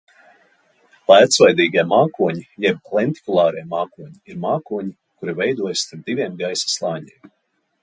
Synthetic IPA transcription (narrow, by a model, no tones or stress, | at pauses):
læːt̪svajd̪iːɡiɛmaːkuɔɲijɛb̚lˠɛnt̪i̥kulˠɑːɾijmaːkuɔɲiiɾmaːkuɔɲi | kuɾivɛjd̪uɔjst̪aɾp̚d̪̥ivʲiɛmɡajsḁslˠɑːɲḭːm